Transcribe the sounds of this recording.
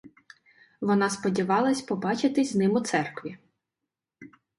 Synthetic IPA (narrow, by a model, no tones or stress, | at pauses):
ʋɔnɑspɔdʲiʋɑlˠɐsʲpɔbɑt͡ʃɪt̪ɪzʲnɪmʊt̪sɛrkʋʲi